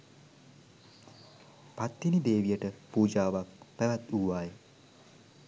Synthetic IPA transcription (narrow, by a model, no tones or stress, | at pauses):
pat̪ːinid̪eːʋijəʈəpuːd͡ʒaːʋak̚pæʋæt̪uːʋaːje